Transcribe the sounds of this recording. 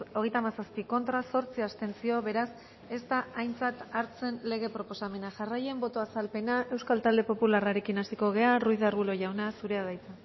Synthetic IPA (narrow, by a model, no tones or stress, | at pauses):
o̞ɣ̞e̞jt̪amasaspiko̞nt̪ɾaso̞ɾt͡siast̪e̞nsio̞βe̞ɾas | e̞st̪aajnt͡sat̪aɾt͡se̞nle̞ɣ̞e̞pɾo̞po̞same̞naʝaraje̞mbo̞t̪o̞asalpe̞naʔe̞wskalt̪ald̪e̞po̞pularaɾe̞kinasiko̞ɣ̞e̞arujðaɾɣulo̞ʝawnasuɾe̞að̞ajt͡sa